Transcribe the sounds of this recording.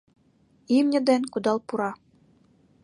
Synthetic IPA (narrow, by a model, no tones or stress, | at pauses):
imnʲɘ̆d̪enʲkud̪ɑlˠpuɾɑ